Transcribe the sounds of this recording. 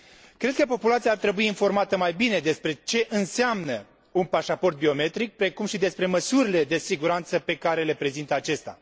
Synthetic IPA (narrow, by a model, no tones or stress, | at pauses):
kɾe̞d̪̚kəpo̞pulat̪siaːrt̪ɾe̞buiːnfo̞rmat̪əmajbine̞d̪e̞spɾe̞t͡ʃe̞ʔɨnseamnə | unpaʃapo̞rt̪̚bio̞me̞t̪ɾik̚pɾekumʃid̪e̞spɾe̞məsuɾile̞d̪e̞siɡuɾant̪səpe̞kaɾe̞le̞pɾe̞zint̪əat͡ʃe̞st̪a̰